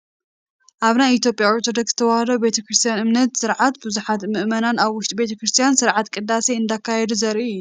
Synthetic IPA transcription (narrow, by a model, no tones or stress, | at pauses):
ʔaβnajit̪jo̞pʼjaoɾt̪ʰod̪ɐkz̥ɨt̪ʰɐwahɐlɐbet̪ʰɐkɾɨst̪ʰijanɨmnɐt̪sɨɾʕat̪bɨzuħat̪mɨʔmɐnanaβwʊʃt̪ʼibe̞t̪ʰɐkɾɨst̪ʰijansɨɾʕat̪kʼɨd̪ːaseɨnd̪akʰːajɛd̪uzɐɾʔiɨjːu